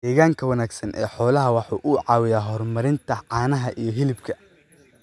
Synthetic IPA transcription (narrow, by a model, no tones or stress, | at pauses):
d̪ɛːɣaːŋkʰɐwɐnaːɡsɐnʔɛ̰ːħɔːlɐɦɐwɑħuːʔʊʕɑːwɪjaːɦɔrmɐɾɪnt̪ʰɐʕɑːnɐɦɐʔijɞɦɪlɪbkʰɐ